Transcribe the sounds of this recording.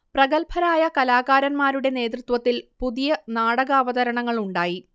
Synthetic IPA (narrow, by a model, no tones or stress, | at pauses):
prɐɡɐlpʰɐɾaːjɐkɐlaːɣaːɾɐnmaːɾuɽe̞ne̞ːt̪̬rɨt̪wɐt̪ːilpuðijɐnaːɽɐɣaːʋɐðɐɾɐɳɐŋːɐɭuɳɖaːji